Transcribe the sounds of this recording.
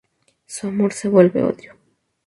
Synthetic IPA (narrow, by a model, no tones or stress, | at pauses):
suamoɾse̞βwe̞lβe̞̰o̰ðjo